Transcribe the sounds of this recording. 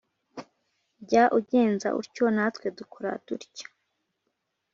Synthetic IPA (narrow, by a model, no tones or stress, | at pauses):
ɟaːʔuɟe̞ːnza̰ʔṵɾconatwe̞dukʰoɾa̰tuɾcḁ